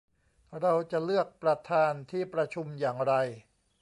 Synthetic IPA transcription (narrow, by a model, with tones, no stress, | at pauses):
ɾa˧wt͡ɕa˨˩lɯ˥˩ək̚pɾa˧t̪ʰaː˧nt̪ʰiː˥˩pɾa˧t͡ɕʰu˧mjaː˨˩ŋɾa˧j